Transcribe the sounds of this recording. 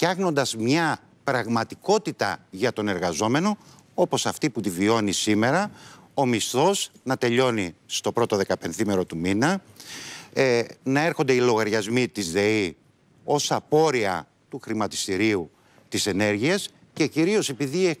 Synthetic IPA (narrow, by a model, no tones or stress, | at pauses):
ɐɣno̞nd̪ɐzmɲɐ | pɾɐɣmɐt̪iko̞t̪it̪ɐ̰ʝɐt̪o̞ne̞ɾɣɐzo̞me̞no̞ | o̞po̞sɐft̪iput̪ivio̞nisime̞ɾɐo̞mist̪o̞znɐt̪e̞ʎo̞nist̪o̞pɾo̞t̪o̞ðe̞kɐpe̞nθime̞ɾo̞t̪uminɐ | nɐe̞ɾxo̞nd̪e̞ilo̞ɣɐɾʝɐzmit̪izðe̞i | o̞sɐpo̞ɾiɐ̰ | t̪uxɾimɐt̪i̥st̪iɾiu | t̪ise̞ne̞ɾʝiɐs | ce̞ciɾio̞se̞piðie